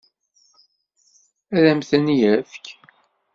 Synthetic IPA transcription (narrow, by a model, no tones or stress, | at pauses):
æðæmθænjæfk